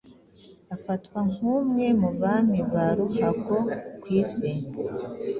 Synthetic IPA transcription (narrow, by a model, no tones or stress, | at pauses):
afatwaŋ̥huːmŋe̞muβaniβaɾuhakokwiːsim